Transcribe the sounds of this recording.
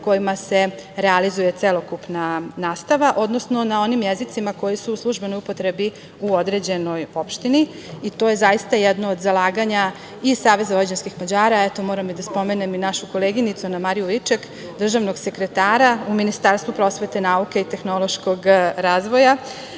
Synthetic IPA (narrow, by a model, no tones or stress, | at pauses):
ko̞jimase̞ɾealizuje̞t̪selˠo̞kupnanaːst̪aʋaʔo̞d̪no̞sno̞nao̞nimjezit̪simako̞jisuːslˠuʒbe̞nojupot̪ɾe̞bi | uo̞d̪ɾe̞d͡ʑe̞no̞jo̞pʃt̪ini | it̪o̞ːje̞zajist̪ajɛd̪nood̪zalˠaːɡaɲa | isaːʋe̞zaoad͡ʑenskixmad͡ʑaːɾaet̪o̞mo̞ːɾamid̪aspo̞me̞neminaʃuko̞leɡinit̪sunamaɾijuit͡ʃek | d̪r̩ʒaʋnoɡse̞kɾe̞t̪aːɾauminist̪aɾst̪ʋupɾo̞sʋe̞t̪e̞naukeit̪e̞xno̞lˠo̞ʃko̞ɡɾaːzʋo̞ja